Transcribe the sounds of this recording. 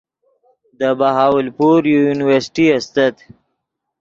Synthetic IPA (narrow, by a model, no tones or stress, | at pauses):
d̪əbaɦɑːwəlpuɾjojunɪwəɾsʈiast̪at̪